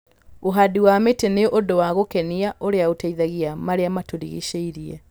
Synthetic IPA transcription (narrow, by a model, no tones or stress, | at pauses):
oɦadiwameteneʔodowaɣokɛniaʔoɾeaotaiðaɣiamaɾeamatoɾḭɣḭʃeiɾiɛ